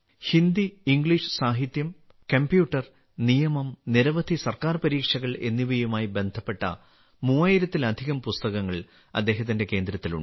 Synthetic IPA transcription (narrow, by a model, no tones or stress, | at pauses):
hind̪iːŋɡɭiʂɨ̥saːɦit̪jɐm | kɐmbjuːʈːɐr | nijɐmɐmniɾɐʋɐd̪ʱisɐrkaːrpɐɾiːkʂɐɣɐɭe̞nːiʋɐjumaːjibe̞nd̪ʱɐpːe̞ʈːɐ̰ | muːaːjiɾɐt̪ːilɐd̪ʱiɣɐmpust̪ɐɣɐŋːɐɭ | ɐ̰d̪ːe̞ːɦɐt̪̬ːinde̞ke̞ːnd̪ɾɐt̪ːilṵɳɖ